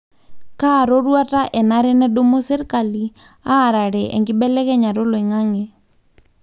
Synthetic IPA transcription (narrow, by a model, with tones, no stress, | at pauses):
kaː˦˨ɾo˦ɾwa˦ta˦ʔɛ˨na˦ɾɛ˦nɛ˦do˦mo˦se˦ɾka˨li˨ | aː˦˨ɾa˨ɾɛ˨ʔɛ̰˨ŋɡɪ˦bɛ˦lɛ˦kɛ˦ɲa˨ɾo˦lo˨i˨ŋa˦ŋɛ˨